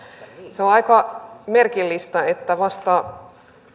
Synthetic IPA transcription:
seoɑikɑmerkilːist̪ɑet̪ːæʋɑst̪ɑ

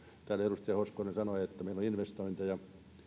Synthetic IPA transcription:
t̪æːlerust̪ɑjɑhoskonensɑnoiet̪ːæmeiloinʋest̪oint̪ɑjɑ

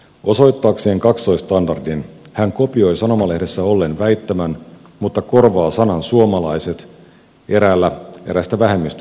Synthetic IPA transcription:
o̞so̞jt̪ːɑːkse̞ːŋkɑkst̪o̞jst̪ɑndɑrdin | hæŋko̞pio̞jsɑno̞mɑlehde̞sːæo̞lːe̞nʋæjt̪ːæmæn | mut̪ːɑko̞rʋɑːsɑnɑnsuo̞mɑlɑjse̞t̪ | e̞ɾæːlːæe̞ɾæst̪æʋæɦe̞mːist̪

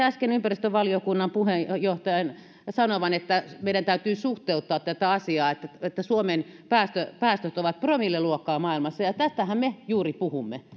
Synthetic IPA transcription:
æskenympærist̪øʋʋɑliokunːɑmpuhejoht̪ɑjɑn | sɑnoʋɑnet̪ːæmeiɾænt̪æyt̪yːsuht̪eut̪ːɑːt̪t̪æt̪æɑsiɑːet̪ːæet̪ːæsuomenpæːst̪øpæːst̪øt̪oʋɑt̪̚promilːeluokːˑɑːmɑːilmɑsːɑjɑt̪æst̪æhæmmejuːripuhumːe

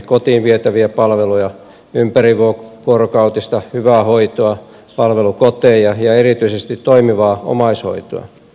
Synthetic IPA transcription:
kot̪iːnʋiet̪æʋiæpɑlʋelujɑ | ympæriʋuoʋuorokɑut̪ist̪ɑhyʋæːhoit̪oɑ | pɑlʋelukot̪eːjjɑjɑerit̪yisest̪it̪toimiʋɑːo̰mɑisho̰it̪o̰ɑ̰

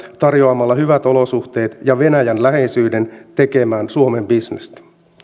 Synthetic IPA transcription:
t̪ɑrjo̞ɑmɑlːɑhyʋæt̪o̞lo̞suht̪e̞ːt̪jɑʋe̞næjænlæɦe̞jsyːde̞nt̪e̞ke̞mæːnsuome̞mbisnest̪

